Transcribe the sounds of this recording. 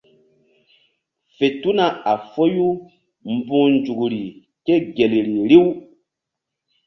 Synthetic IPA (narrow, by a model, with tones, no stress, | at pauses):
fe˨tu˦na˨a˨fo˦ju˦ | m̩˦bũ˦nd͡ʒu˨ɡu˨ɾi˨ | ke˦ɡe˨lɾi˨ɾi˦w